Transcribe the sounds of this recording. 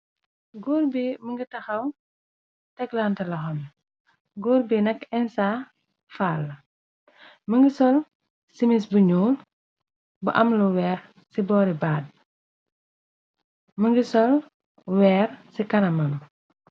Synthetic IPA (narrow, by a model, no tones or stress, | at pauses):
ɡuːrbiməŋɡitɐxɐw | tɛklantɐlɐxɐm | ɡuːɾbinɐkɛnsa | faːlːɐ | məŋɡisɔl | simisbuɲuːl | buʔɐmluwɛːɾ | sibɔːɾibaːd̚ | məŋɡisɔl | wɛːrsikɐnɐmɐn